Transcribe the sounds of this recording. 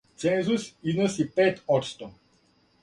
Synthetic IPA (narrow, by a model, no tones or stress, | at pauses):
t̪sɛ̃nzusinosipɛt̪ɔt̪st̪ɔ